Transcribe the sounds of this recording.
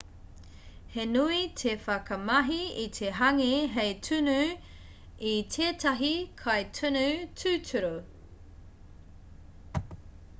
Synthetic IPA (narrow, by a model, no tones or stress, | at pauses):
henuitʰefɐkɐmɐɦiit̪ʰeɦɐŋeɦejtʰʉnʉ | itʰeːtɐɦikʰɐjtʰunʉtʰʉtʰuɾo